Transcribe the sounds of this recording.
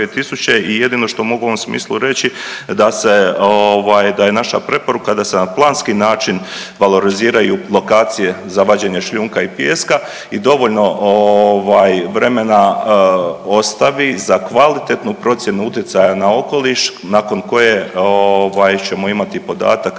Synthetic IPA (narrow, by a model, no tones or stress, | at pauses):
et̪isut͡ɕe̞ije̞d̪iːno̞ʃt̪oumo̞ɡuoomsmḭːslˠuɾe̞t͡ɕid̪ase̞oʋaːjd̪aje̞naʃa̰pɾe̞po̞ɾukad̪ase̞naplˠaːnskinaːt͡ʃinʋalˠo̞ɾiziːɾajulˠo̞kaːt̪sije̞ | zaʋad͡ʑeːɲe̞ʃʎuːŋkaipjeːska | id̪o̞ʋo̞ʎno̞oʋaːjʋɾe̞me̞na | o̞st̪aʋizakʋalit̪et̪nupɾo̞t̪sje̞nuut̪jet̪sajanao̞ko̞liʃ | naːko̞nko̞je̞oʋaːjt͡ɕe̞mo̞imat̪ipo̞d̪a̰ːt̪ak